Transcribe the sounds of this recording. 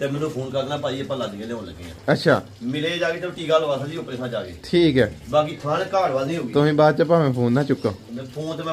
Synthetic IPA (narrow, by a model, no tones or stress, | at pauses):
t̪eːmɛ̃ːnũːpʰoːnkəɾd̪ːnaːpaːiːəpːãːlaːd̪iːə̃leːɦõːləɡḛːã̰ːətːʃʰa̰ː | mɪleːd͡ʒaːɡeːt̪ẽːʈiːɡaːloːaːsãd͡ʒ̪iːʊpɾẽsʰãːt͡ʃaːɡḛːʈʰiːkɦɛːbaːk̬iːt̪ʰãːnkaːɽʋaːd̪nĩːɦoːɡit̪ʊsĩːbaːd̪t͡ʃəp̬aːmẽːpʰoːnːãːt͡ʃʊkːãːpʰoːnt̪eːm̃ː